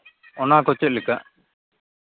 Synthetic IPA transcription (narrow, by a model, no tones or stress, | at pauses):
ɔnakɔt͡ʃɛt̪̚lɛkaʔ